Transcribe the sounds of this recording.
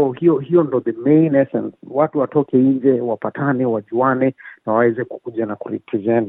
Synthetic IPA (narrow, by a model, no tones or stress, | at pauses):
ɔhijɔɦiɔndɔðəmẽnɛsɛ̰̃nswatuwatɔkɛind͡ʒɛwapatʰanɛwaʄianɛnawawɛzɛku̥kuʄanakuɾitʰizɛn